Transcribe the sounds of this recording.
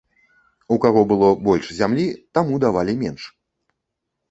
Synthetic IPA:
ukaɣɔbɨlˠɔbɔlʲʂzʲamlʲit̪amud̪avalʲimʲɛnʂ

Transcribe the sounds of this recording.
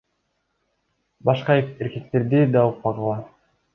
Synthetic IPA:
bɑʃqɑeɾke̞k̚t̪e̞ɾd̪id̪ɑuq̚pɑʁɑlˠɑ

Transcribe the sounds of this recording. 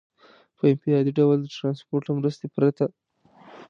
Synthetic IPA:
pəɪmt̪iɑd̪iɖawld̪əʈɾɑnspoɾʈamɾəst̪epɾat̪a

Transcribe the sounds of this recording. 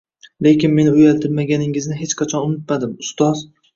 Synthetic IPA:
le̞kʲɪnme̞nɪʊjalt̪ʰɪɾmaɡʲanɪŋɪznɪɦe̞t͡ʃqʰɑt͡ʃʰɒnʊmɪt̪̚mad̪ɪmʊst̪ɒz

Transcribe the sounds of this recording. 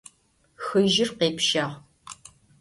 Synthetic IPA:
xɨʒɪrqeːpʃaːʁ

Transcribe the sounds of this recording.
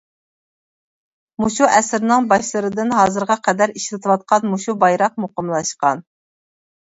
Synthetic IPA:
muʃuʔɛsɪɾnɨŋbɑʃlˠɨɾɨd̪ɨnɦɑːzɨɾʁɑqʰɛd̪æɾiʃlɪt̪ʰɨwɑt̪̚qʰɑnmuʃubɑjɾɑq̚moqəmlˠɑʃqɑn

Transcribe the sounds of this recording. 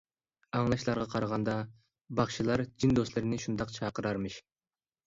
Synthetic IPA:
ɑŋlˠɑʃlˠɑɾʁɑqʰɑɾɑʁɑnd̪ɑ | bɑχʃilˠɑɾd͡ʒind̪oslˠɪɾɪnɪʃund̪ɑqt͡ʃʰɑːqəɾɑɾmɨʃ

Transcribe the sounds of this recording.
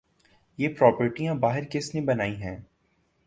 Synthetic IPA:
jeːpɾɔːpəɾʈijãbaːɦɪɾkɪsnebɐnaːiɦɛ̃ː

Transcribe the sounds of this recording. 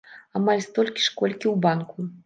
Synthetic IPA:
amalʲst̪ɔlʲkʲi̥ʂkɔlʲkʲiwbanku

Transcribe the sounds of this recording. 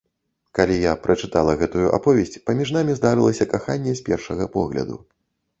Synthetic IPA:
kalʲijapɾʔɐt͡ʂɨt̪alˠɐɣɛt̪ujuʔa̰pɔvʲesʲt͡sʲpɐmʲiʐnamʲizd̪aɾɨlˠɐsʲɐkaxanʲːɛsʲpʲɛrʂɐɣɐpɔɣlʲɐ̰d̪ṵ

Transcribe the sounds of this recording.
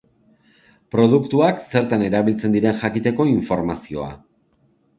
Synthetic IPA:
pɾo̞ðukt̪uakse̞ɾt̪ane̞ɾaβ̞ilt͡se̞nd̪iɾe̞nʝakit̪e̞ko̞iɱfo̞ɾmasio̞a̰

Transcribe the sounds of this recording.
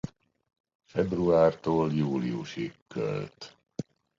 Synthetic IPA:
fɛbruaːrt̪oːljuːliṵʃikkːø̰lt̪

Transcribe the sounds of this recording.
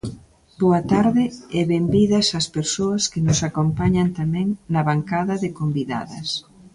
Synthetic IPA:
boɐt̪aɾðɪɛβembiðɐsɐspeɾsoɐskɪnʊsakompaɲɐnt̪amɛ̃ŋnɐβaŋkaðɐðɪkombiða̰ðɐs

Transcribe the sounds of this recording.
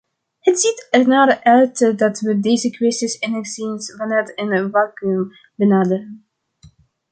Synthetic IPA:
hətsitɛrnaːrʔœɥtədɑtʋədejzəkʋɪstɪsɪnəsinsvɑnɛtɪnvaːkym | bənaːdərən

